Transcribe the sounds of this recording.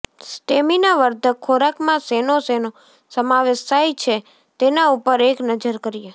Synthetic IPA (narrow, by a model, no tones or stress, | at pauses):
sʈeminaʋəɾd̪ʱəkʰoɾakmãsenoseno | səmaʋesajt͡ʃʰe | t̪enaupəɾeknəd͡ʒəɾkəɾije